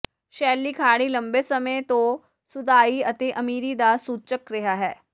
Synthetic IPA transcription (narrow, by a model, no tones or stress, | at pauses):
ʃɛːlːiːkʰaːɽ̃ilə̃mbeːsəmẽt̪õ | sʊd̪aːiət̪eʔɐmiːɾid̪aːsuːt͡ʃəkɾɪɦaːɦɛː